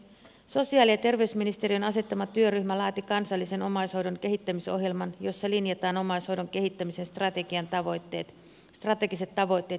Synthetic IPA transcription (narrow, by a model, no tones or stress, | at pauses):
so̞siɑːliɑt̪e̞rʋe̞ysminist̪e̞ɾiønɑse̞t̪ːɑmɑt̪yø̞ryçmælɑːt̪ikɑnsɑlːise̞no̞mɑjsho̞jdo̞ŋke̞ɦit̪ːæmiso̞ɦjelmɑnjo̞sːɑlinjɑt̪ɑːno̞mɑjshojdo̞ŋk̟e̞ɦit̪ːæmise̞nst̪rɑt̪e̞ɡiɑnt̪ɑʋojt̪ːe̞̰ːt̪ | st̪rɑt̪e̞ɡise̞t̪ːɑʋo̞jt̪ːˑe̞ːt̪